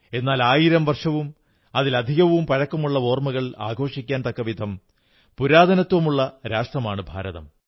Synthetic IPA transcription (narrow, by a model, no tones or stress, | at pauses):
e̞nːaːlaːjiɾɐmʋɐrʂɐʋum | ɐðilɐd̪ʱiɣɐʋumpɐɾɐkːɐmuɭːɐo̞ːrmɐɣɐɭa̰ːɡʱo̞ːʂikʲːaːnt̪ɐkːɐʋid̪ʱɐm | puɾaːd̪ʱɐnɐt̪ːʋɐmuɭːɐɾaːʂʈrɐmaːɳɨbʱa̰ːɾɐðɐ̰m